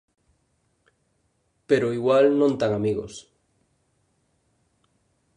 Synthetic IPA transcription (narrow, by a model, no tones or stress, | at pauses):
peɾoiɣwalnõnt̪aŋamiɣo̰s